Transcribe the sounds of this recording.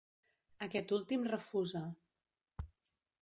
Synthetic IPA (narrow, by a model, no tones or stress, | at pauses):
əkɛt̪ulˠt̪imrəfuzə